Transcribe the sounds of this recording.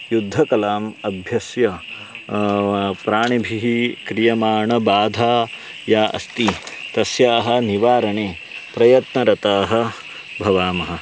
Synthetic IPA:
jud̪ʱːɐkɐlaːmɐbʱjɐsjɐ | pɾaːɳibʱiɦikɾijɐmaːɳɐbaːd̪ʱaː | jaːʔɐ̰st̪it̪ɐsjaːɦɐ̆niʋaːɾɐɳeː | pɾɐjɐt̪nɐɾɐt̪aːɦɐ̆ | bʱɐʋaːmɐɦɐ̆

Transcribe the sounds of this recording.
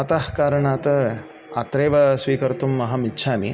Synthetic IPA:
ɐt̪ahkaːɾɐɳaːt̪ɐ | ɐt̪ɾeːʋɐsʋiːkɐɾt̪umːɐɦɐmitːʃʰaːmi

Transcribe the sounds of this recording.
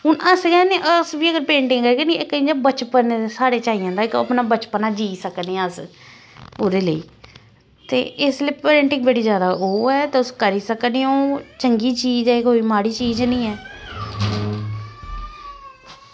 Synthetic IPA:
ʊnəskɛːnẽːʔəsʋiːəɡəɾpẽːɳʈɪŋkəɾːkɛnĩɪkːəĩːd͡ʒaːbət͡ʃpənsaːɽeːt͡ʃaːijãːd̪aːɪkə̰pnaːbət͡ʃpənaːd͡ʒiːsəkneɛ̃əs | oːd̪eːləḭː | t̪ḛːʔɪsləiːpeːɳʈɪŋɡbəɽiːzjaːd̪aːʔoːɛːt̪eːʊskəɾiːsəkneːoːt͡ʃəŋɡiːt͡ʃiːd͡ʒɛːɪkɦoːiːmaːɽiːt͡ʃiːd͡ʒnĩːɛː

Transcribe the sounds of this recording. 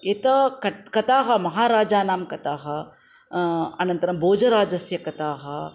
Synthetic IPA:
eːt̪ɐkɐkɐt̪aːɦɐmɐɦaːɾaːd͡ʒaːnaːmkɐt̪aːɦɐ | ɐnɐnt̪ɐɾɐmboːd͡ʒɐɾaːd͡ʒɐsjɐkɐt̪aːɦɐ

